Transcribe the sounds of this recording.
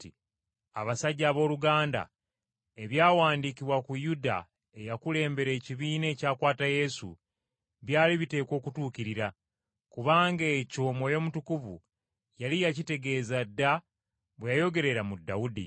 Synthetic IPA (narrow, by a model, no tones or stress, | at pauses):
i | a̰βasaɟːaːβo̞ːluɡaːnda̰ | e̞βjaːwaːndikiβwakujuda̰ | e̞jakule̞ːmbe̞ɾe̞ːciβiːne̞ːcaːkwaːtaje̞sṵ | βjaːliβite̞ːko̞ːkutuːkiɾiɾa | kuβaːŋɡeco̞ːmo̞jo̞mutukuvṵ | jalijacite̞ɡe̞ːzadːa | βwejajo̞ɡe̞ɾe̞ɾamudːaudḭ